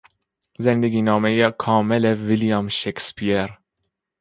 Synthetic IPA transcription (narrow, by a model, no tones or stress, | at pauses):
zɛnd̪ɛɡʲinɑːmɛjɛkʰɑːmɛlɛviljɑːmʃekspijɛɾ